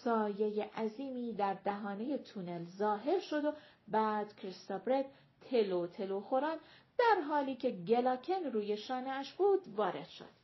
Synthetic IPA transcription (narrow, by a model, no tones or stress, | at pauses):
sɒːje̞jeʔæziːmiːd̪æɾd̪æɦɒːne̞je̞t̪ʰune̞lzɒːɦe̞ɾʃo̞d̪o̞ | bæːd̪̥kʰɾist̪obɾed̪ | t̪ʰelot̪ʰe̞loxo̞ɾɑːn | d̪̥æɾɦɒːliːcʲʰe̞ɟe̞lɒkʰenɾuːje̞ʃɒːneæʃb̥uːd̪vɒːɾe̞d̪̥ʃo̞̰d̪̥